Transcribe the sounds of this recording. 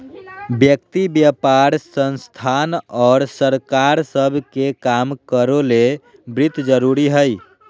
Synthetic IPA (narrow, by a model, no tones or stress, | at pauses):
bjək̚t̪ibjəpaɾsənst̪ʰanɔːɾsəɾkaɾsəbʱkekamkəɾole | bɾit̪d͡ʒəɾuɾiɦəj